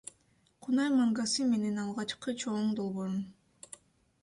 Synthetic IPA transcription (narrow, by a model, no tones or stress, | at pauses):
qʰunɑjmaŋɡasɯme̞ne̞nɑlˠʁɑt͡ʃqɯt͡ʃʰoɴd̪o̞lˠβo̞ɾun